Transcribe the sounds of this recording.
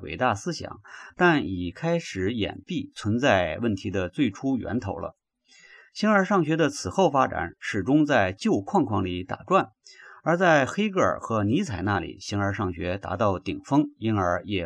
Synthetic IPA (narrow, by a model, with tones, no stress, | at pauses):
wḛ˨˩ɪt̪a˥˩sɹ̩˥ɕjɑ̰˨˩˦ŋt̪a˥˩ni˨˩kʰa˥ɪʂɻ̩˨˧˥jɛ̰˨˩npi˥˩t͡sʰwə˧˥nt͡sa˥˧ɪwə˥˩nt̪ʰi˧˥d̪ə˧t͡swe˥˩ɪʈ͡ʂʰu˥ɥɛ̰˧˥nt̪ʰo˧˥ʊlə̰˧ | ɕʰi˥nə˞˧˥ʂɑ˥˩ŋɕɥɛ˧˥d̪ə˧t͡sʰɹ̩˨˩xo˥˩ʊfa˥ʈ͡ʂa̰˨˩˦nʂɻ̩˨˩ʈ͡ʂʊ˥ŋt͡sa˥˧ɪt͡ɕjo˥˧ʊkʰwɑ˥˧ŋkʰwɑ˥˩ŋli˧˩t̪a̰˨˩ʈ͡ʂwa˥˩nə˞˧˥t͡sa˥˧ɪxe˥ɪkə̰˞˨˩xɤ˧˥ni˧˥t͡sʰa˨˩ɪna˥˩lḭ˨˩ɕi˧˥nə˞˧˥ʂɑ˥˩ŋɕɥɛ˧˥t̪a̰˧˥t̪ɑ˥˩ʊt̪i˨˩ŋfɤ˥ŋi˥nə˞˧˥jɛ˨˩